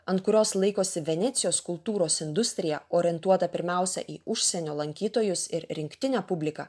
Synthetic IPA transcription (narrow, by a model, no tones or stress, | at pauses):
ɐnt̪kʊɾʲoːslˠɐɪkoːsʲɪʋʲɛnʲɛːt̪sʲɪjoːskʊlˠt̪uːɾoːsɪnd̪ʊsʲt̪ʲɾʲɪjɛoːɾʲɛnt̪uɔt̪ɐpʲɪɾʲmʲæˑʊsʲɛ̰ʔiːʊʃʲsʲɛnʲoːlˠɐŋʲkʲiːt̪oːjʊsɪɾɾʲɪŋʲkt̪ʲɪnʲæːpʊbʲlʲɪkɑ̰ː